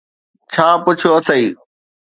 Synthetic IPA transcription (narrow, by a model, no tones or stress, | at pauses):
t͡ɕʰãːpʊt͡ɕʰoɐt̪ʰəiː